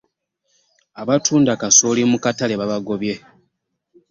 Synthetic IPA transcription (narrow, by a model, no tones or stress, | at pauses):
aβatʰuːndakasoːlimukatale̞βaβaɡo̞βje̞